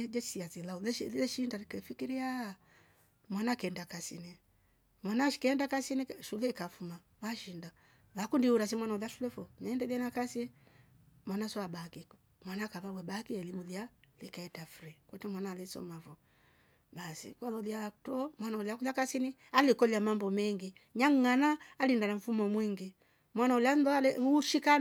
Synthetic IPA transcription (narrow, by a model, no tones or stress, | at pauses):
ɛd͡ʒɛsiat͡silaulɛɛʃindaikɛfikiɾia | mwanakɛndakasḭni | mwanaʃi̥kɛɛndakasiniʃulɛikafuma | βaʃinda | βakundiuɾas̬imwanaulaʃulɛfɔmɛːndɛðɛnakasi | mwanaswabakikɔ | mwanakaβawɛbakiɛlimulialikaɛtafɾikwɔtɛmwanalisɔ̰mafɔ | basḭkwalɔliatɔmwanauliakulakasinialikɔlamambɔmɛŋɡi | ɲaŋŋanaːlindanaɱ̩fumɔmwiŋɡi | mwanaulianðɔalɛʃika